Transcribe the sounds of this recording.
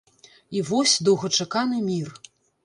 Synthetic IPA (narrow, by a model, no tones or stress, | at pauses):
ivɔsʲd̪ɐwɣɐt͡ʂakanɨmʲir